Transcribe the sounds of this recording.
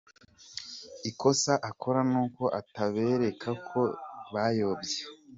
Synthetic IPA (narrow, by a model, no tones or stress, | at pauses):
iko̞saʔakʰo̞ɾanuːko̞ʔataβe̞ːɾe̞kʰakʰo̞βajo̞ːbɟe